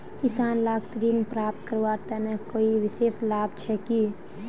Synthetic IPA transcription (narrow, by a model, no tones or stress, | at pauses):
kɪsaːnlaːɡt̪ɾiːnpɾaːp̚t̪kəɾʋat̪ɛnekoːiʋɪseːslaːbt͡ʃʰɛki